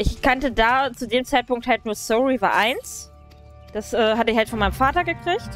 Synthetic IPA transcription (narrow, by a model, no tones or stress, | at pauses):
ʔɪçkʰantədaːt͡sudeːmt͡saɪt̚pʊŋk̚thalt̚nuːɐsoʊʁiva̰ʔaɪns | d̥asʔɛːɦatəɪçhaltfɔnmaɪnəmfaːtɐɡəkʁ̥ɪçt